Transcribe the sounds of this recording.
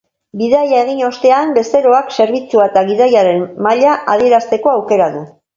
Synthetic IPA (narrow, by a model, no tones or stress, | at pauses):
biðajae̞ɣiɲo̞st̪e̞ambe̞st̪e̞ɾo̞akse̞ɾβit͡suaet̪aɣ̞iðajaɾe̞nmaʎaʔaðie̞ɾast̪e̞ko̞awke̞ɾaðu